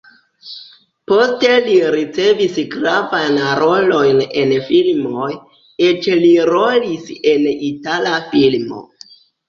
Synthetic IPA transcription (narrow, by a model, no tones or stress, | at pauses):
po̞ste̞liɾit͡se̞visɡɾavajnɾo̞lo̞jne̞nfilmo̞j | et͡ʃliɾo̞lise̞nitalafilmo̞̰